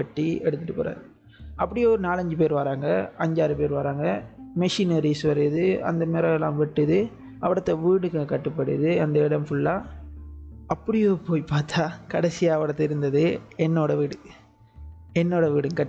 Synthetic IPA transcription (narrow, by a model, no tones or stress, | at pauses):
ɐʈːiɛɽɯt̪ːɯʈːɯpɐ̰ːɾa̰ːðɯ | ʔɐpːɐɽɪjoːnaːlɐɲd͡ʒɯpeːɾʋaːɾaːŋɡɐɐɲd͡ʒaːɾɯpeːɾʋaːɾaːŋɡɐmɛʂinɐɾisʋɐɾɯðɯɐ̰nd̪ɐmeːɾɐlã̰ːʋɛʈːɯðɯ | ɐʋɐɽɐt̪ːɐʋiːɽɯkːɐkɐʈːɯpːɐɽɯ̰ðɯɐnd̪ɐɪɽɐmfʊɭːaː | ɐpːɐɽɪjoːpoːjpːaːɾt̪aːkɐɽɛsɪjaːɐʋɐɽɐt̪ːɐɪɾɯnd̪ɐðɯɛnːoːɽɐʋiːɽɯ | ɛnːoːɽɐʋiːɽɯmkɐʈː